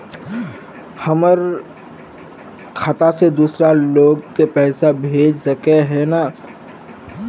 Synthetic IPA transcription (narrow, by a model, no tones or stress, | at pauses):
həməɾ | kʰat̪ased̪uːsɾaloːɡkepɛːsabʱeːd͡ʒsəkeɦɛna